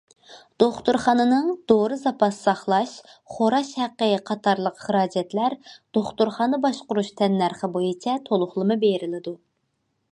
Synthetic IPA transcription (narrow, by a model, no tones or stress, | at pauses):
d̪̥oχt̪uɾχɑnɨnɨŋd̪̥oɾɨzɑpɑssɑχlˠɑʃχoɾɑʃhæqːəqʰɑt̪ʰɑɾlˠəqχəɾɑːd͡ʒɛt̪læɾd̪̥oχt̪uɾχɑːnɨbɑʃqʊɾuʃt̪ʰɛnːæɾχəbojit͡ʃʰɛt̪ʰolˠʊχlˠɨmɨbeɾɪlɪd̪u